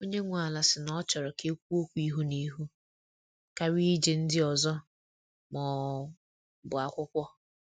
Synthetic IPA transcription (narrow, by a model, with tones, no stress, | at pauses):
o˦ɲe˦ŋʷʊ˦˨a˨la˨sɪ˨nɔ˦t͡ʃɔ˨ɾɔ˨ke˦kʷu˦o˦kʷu˦i˦ɦu˦ni˦ɦu˦ | ka˦ɾi˦d͡ʒe˨n̩˦dɪ˦ɔ˨zɔ˦ | mɔ˨˦ | bʊ˨a˨kʷʊ˦kʷɔ˦